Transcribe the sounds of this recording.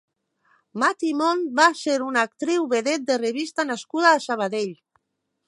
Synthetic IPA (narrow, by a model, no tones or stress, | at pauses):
mat̪imonbaseɾunak̚t̪ɾiwβeðet̪̚d̪ereβist̪anaskuð̞aːsaβ̞aðeʎ